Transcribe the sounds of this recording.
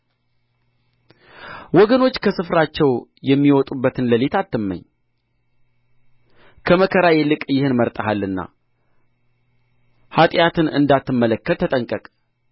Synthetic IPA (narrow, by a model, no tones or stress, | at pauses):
wɔɡəno̞t͡ʃːkʰəsɨfɾat͡ʃːɛwjɛmːiwɔt̪ʼubːət̪ʰɨnləlet̪ʰat̪ːɨmːə̰ɲː | kʰəməkʰəɾajɛlɨkʼjɪhɨnməɾt̪ʼaɦalːɨnːa̰ | hat̪ʼjat̪ɨnɨ̰nd̪at̪ːɨmːələkːəlt̪ʰːət̪ʼəŋkʼəkʼ